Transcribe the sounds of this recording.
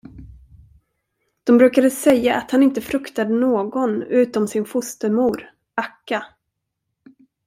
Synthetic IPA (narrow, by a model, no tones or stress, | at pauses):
d̪̥ɔmbɾʉ̟ːkad̪əsɛjːaʔat̪hanɪnt̪əfɾɵkt̪ad̪ənoːɡɔnʉ̟ːt̪ɔmsɪnfʊst̪əɾmuːɾ | akːa